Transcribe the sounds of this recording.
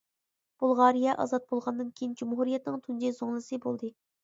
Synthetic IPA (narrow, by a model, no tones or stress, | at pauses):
b̥ulˠʁɑɾijɛʔɑ̰zɑt̪̚bolˠʁɑnd̪ɨnkʲʰejind͡ʒumɦuɾijɛt̪nɨŋt̪ʰund͡ʒizoŋlˠɨsɨbolˠd̪ɨ